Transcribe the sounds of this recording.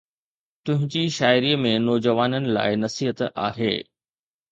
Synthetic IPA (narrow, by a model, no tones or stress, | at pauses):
t̪ʊ̃ɦɪ̃ɲd͡ʑiʃaːɪɾiːmẽnɔːd͡ʑəʋaːnənɪ̆la̰ːɪnɐsiːɦət̪a̰ːɦḛː